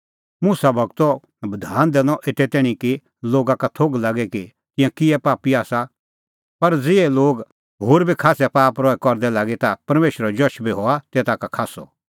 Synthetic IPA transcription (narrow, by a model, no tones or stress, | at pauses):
musabʱɐɡt̪ɔ | bɐd̪ʱaːnd̪ɛːnɔʔeːt̪ɛt̪ɛːɽ̃ĩki | loːɡakat̪ʰoːɡlaɡɛki | kɪ̃jãkɪɛpaːpiaːsa | pɐɾd͡zɪɛloːɡ | ɦoːɾbʱikʰaːsɛpaːpɾɔɛkɔɾd̪ɛlaːɡet̪apɐɾmeːʃɾɛd͡ʒɔʃbʱiɦɔat̪eːt̪akakʰaːsɔ̰